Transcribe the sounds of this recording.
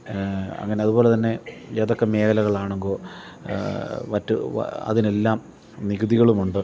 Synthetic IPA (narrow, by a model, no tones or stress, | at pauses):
ɐ̰ŋːɐne̞ɐðubo̞ːlet̪ɐnːe̞eːðokːeme̞ːɣɐlɐɣɐɭaːɳuŋɡoː | ʋɐtːṵɐ̰ðine̞lːaːm | niɣuðiɣɐɭumuɳɖɨ